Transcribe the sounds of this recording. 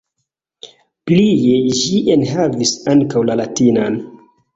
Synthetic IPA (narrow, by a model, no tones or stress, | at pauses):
plijeʒiʔenɦavisaŋkawlalatinan